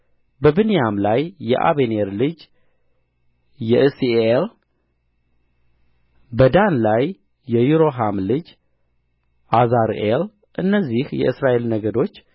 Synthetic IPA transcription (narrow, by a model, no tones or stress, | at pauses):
bəbɨnijamlajːɛ̰ʔa̰βeneɾlɨd͡ʒ | jɛʔɨsiel | bəd̪anlajː | ɛjuɾo̞ɦamlɨd͡ʒ | ʔazaɾʔel | ʔɨnːəzːihjɛ̰ʔɨsɾaʔe̞lnəɡəd̪o̞t͡ʃː